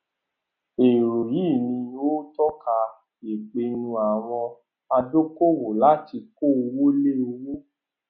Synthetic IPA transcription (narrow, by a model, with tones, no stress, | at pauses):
e˨ɾo˨ji˦˨nĩ˧o˦tɔ˦ka˧ | je˨k͡pe˧nũ˧a˨w̃ɔ̃˧ | a˧do˦ko˦wo˨la˨˦ti˧ko˦˨o˧wo˦le˦o˧wo˦